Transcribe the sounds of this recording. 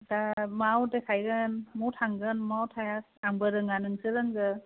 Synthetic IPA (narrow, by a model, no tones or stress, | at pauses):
damawdekʰajɡɯnmɔwtʰaŋɡɯnmawtʰajak̚aŋbɯɾɯŋanɯŋsɯɾaŋɡɯ